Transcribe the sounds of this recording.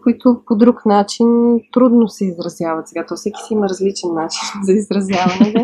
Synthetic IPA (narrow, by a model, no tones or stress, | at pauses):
koit̪ʊpod̪ɾuknat͡ʃint̪ɾud̪nosɛizɾɐzjavɐt̪sɛɡat̪ɔfsɛkʲi̥siimɐɾɐzlit͡ʃɛnːat͡ʃinzɐizɾɐzjavɐnɛnɛ